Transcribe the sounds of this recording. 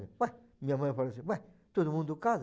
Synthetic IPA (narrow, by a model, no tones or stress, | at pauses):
ḭ̃baj | mĩɲɐmɐ̃j̃falɐsĩbajt̪od̪umũnd̪ʊkaz